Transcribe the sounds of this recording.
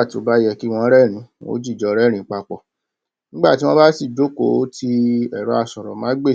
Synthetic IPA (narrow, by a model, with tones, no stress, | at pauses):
a˦˨ti˨o˨˦ba˦jɛ˧ki˦w̃ɔ̃˧˦ɾɛ˦˨ɾ̃ĩ˨˦o̰˦d͡ʒi˦˨d͡ʒɔ˧ɾɛ˦˨ɾĩ˨˦k͡pa˧k͡pɔ̰˨ | nĩ˦ɡ͡ba˦˨ti˨˦w̃ɔ̃˦ba˦si˦˨d͡ʒo˨˦˨ko˨˦tʰi˧ɛ˦˨ɾɔ˨˦a˦˨sɔ˨ɾɔ˨mãã˦ɡ͡be˦˨